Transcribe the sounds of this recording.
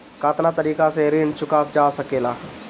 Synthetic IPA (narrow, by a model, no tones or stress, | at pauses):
kaːt̪nat̪əɾiːkaseɾiːɳt͡ʃʊkad͡ʒaːsɐkeːlaː